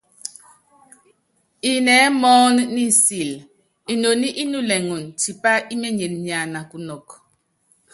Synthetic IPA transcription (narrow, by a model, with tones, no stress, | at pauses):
i˨nɛ˨˦mɔː˦nːi˦si˨l | i˨no˨ni˦ʔi˦nu˦˨lɛ˨ŋu˨nti˨pa˦i˦mɛ˦ɲe˨nɲa˨na˨ku˨nɔ˨k